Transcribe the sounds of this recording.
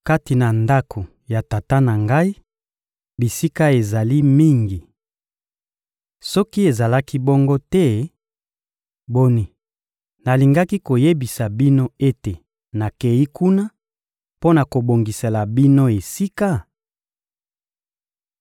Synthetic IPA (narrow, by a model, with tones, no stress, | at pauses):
ka˦ti˨na˨nda˦kʰo˨ | ja˨ta˨ta˦na˨ŋɡa˦i˦ | bi˨si˦ka˦e˨za˨li˦mi˦ŋɡi˨ | sɔ˦ki˦e˨za˨la˦ki˦bɔ˦ŋɡo˦tɛ˦ | bo˦ni˨ | na˨li˨ŋɡa˦ki˦ko˨je˦bi˨sa˨bi˦no˦e˦te˨ | na˨ke˨ji˦ku˦na˦ | po˦na˨ko˨bo˨ŋɡi˨se˨la˨bi˦no˦e˨si˦ka˦